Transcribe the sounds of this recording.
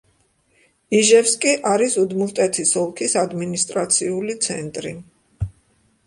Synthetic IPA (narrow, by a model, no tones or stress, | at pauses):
iʒɛpskʼiʔaɾisud̪mult̪ʼɛt̪ʰisɔlˠkʰisad̪minist̪ʼɾat̪sʰiulit̪sʰɛ̰nt̪ʼɾi